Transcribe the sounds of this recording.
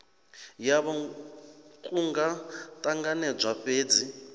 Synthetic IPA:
jaβɔ | kʼuŋɡatʼaŋɡanɛb͡ʐʷaɸeːd͡zi

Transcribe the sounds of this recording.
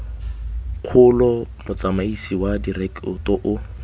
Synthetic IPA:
q͡χʰʊlɔmʊt͡samaisiwadirɛkʊtɔʔʊ

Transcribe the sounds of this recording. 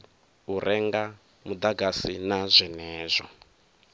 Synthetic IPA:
uɾʔɛŋɡa | mud̪aɡasinazʷɛnɛːzʷɔ

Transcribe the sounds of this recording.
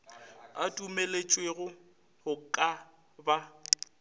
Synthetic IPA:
atʼumelet͡ʃʼweɣʊ | hʊkʼa | ba

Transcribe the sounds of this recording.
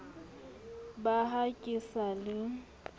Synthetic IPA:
baɦakʼisalɪ

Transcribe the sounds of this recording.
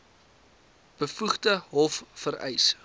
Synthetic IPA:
b̥əfuχdəɦɔffəɾɛ̰js

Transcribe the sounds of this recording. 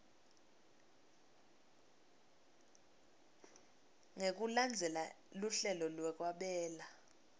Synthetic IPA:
ŋek̬ʼuland͡zʱɛla | luɬɛlɔlwɛk̬ʼwaɓɛːla

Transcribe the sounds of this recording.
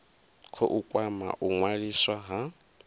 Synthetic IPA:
kʰɔ̰ʔukʼwama̰ʔuŋwaɺiswaɦa

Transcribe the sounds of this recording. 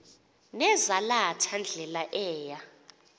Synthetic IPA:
nɛzalatʰand͡ɮʱɛlaʔɛːja

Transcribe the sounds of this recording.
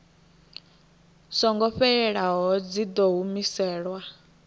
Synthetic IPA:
sɔŋɡɔɸɛɛɺaɦɔd͡zid̪ɔɦumisɛːɺwa

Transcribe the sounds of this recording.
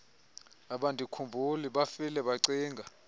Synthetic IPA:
aɓandʼʱikʰumbʱuliɓafilɛɓaǀiːŋɡʱa

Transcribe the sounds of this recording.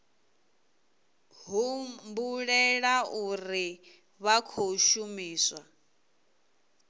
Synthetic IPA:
ɦumbuɺɛɺauri | βakʰoʃumiːswa

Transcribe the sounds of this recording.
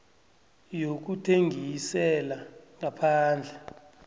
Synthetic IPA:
jok̬utʰeŋʱisɛlaŋapʰaːnd͡ɮʱɛ

